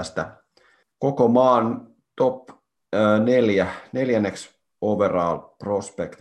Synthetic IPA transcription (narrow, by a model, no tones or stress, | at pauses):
st̪æ̰ | kokomɑːn | t̪opː | neljæne̞ljænːeks | oʋerɑːlprospekt̪